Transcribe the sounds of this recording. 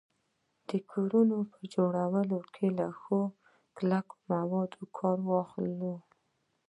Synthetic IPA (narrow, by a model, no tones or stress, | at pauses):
d̪̥əkʰoɾunopəd͡ʒoɽawəlokʰelaxo | klako̥mawɑd̪okʰɑɾwɑxllo